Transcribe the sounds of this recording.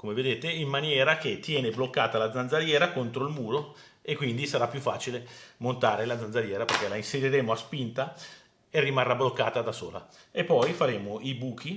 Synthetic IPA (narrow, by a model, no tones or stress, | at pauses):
komeved̪eːt̪eimːanjɛːɾaket̪ːjɛːneblokːaːt̪alad̪zːand̪zaɾjɛːɾakont̪ɾoilmuːɾo | ekːwind̪isaɾapːjufːaːt͡ʃilemont̪aːɾelad̪zand̪zaɾjɛːɾaperk̟ɛlainseɾiɾeːmoaspint̪a | erimarːablokːaːt̪ad̪aso̰ːla̰ | epːɔjfaɾeːmoibuːk̟ʰi